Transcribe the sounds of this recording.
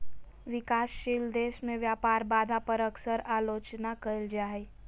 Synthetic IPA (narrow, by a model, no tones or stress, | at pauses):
ʋɪkaːsʃild̪eːʃmẽʋjaːpaːɾbaːd̪ʱapəɾəksəɾaːloːt͡ʃnakəld͡ʒaːe